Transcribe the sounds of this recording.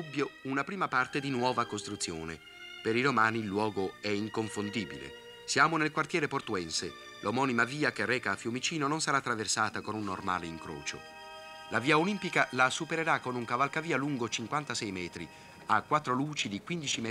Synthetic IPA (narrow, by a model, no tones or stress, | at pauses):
ubːjounapɾiːmapart̪ed̪inwɔːvakost̪ɾut̪sːjo̰ːnḛ | peɾiɾomaːniːlːwɔːɡoɛiŋkoɱfond̪ibḭlḛ | sjaːmonelkwart̪jɛːɾeport̪uɛnse | lʔomɔːnimaviːakerːɛːkaːfjumit͡ʃiːnononsaɾat̪ːɾaversaːt̪akonunːorma̰ːleiŋkɾo̰ːt͡ʃo̰ | lʔaviːaolimpikalasupeɾeɾakːonuŋkavalkaviːaluŋɡot͡ʃiŋkwant̪asɛjmɛːt̪ɾi | akːwat̪ːɾoluːt͡ʃid̪ikwind̪it͡ʃim